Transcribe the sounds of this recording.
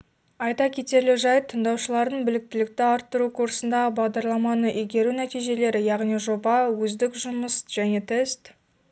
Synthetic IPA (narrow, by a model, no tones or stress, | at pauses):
ɑjt̪ɑkʲʰe̞t̪e̞ɾlɪʒɑjt̪ʰəɴd̪ɑwʃəlˠɑɾd̪əɴbɪlɪk̚t̪ɪlɪk̚t̪ɪɑɾt̪ːəɾukʰuɾsənd̪ɑʁəbɑʁd̪ɑɾlˠɑmɑnəʔijɡʲe̞ɾunæt̪ijʒe̞le̞ɾɪjɑʁnijʒobɑwɵzd̪ɪkʒʊməsʒ̥æne̞t̪ʰest̪